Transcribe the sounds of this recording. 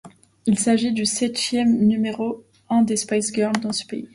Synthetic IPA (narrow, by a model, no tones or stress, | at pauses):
ilsaʒid̪ysɛt̪jɛmnymeʁo | ɛ̃d̪espajsɡʲœʁld̪ɑ̃sə̥pḛi